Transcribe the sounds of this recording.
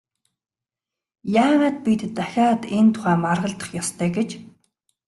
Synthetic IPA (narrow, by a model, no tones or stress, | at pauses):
jaːnaːt̪̚pʲit̪ːaxʲaːt̪ent̪ʰʊ̥χæːmarʁə̆ɮt̪ə̥̆χjɔst̪ʰœːɡet͡ɕ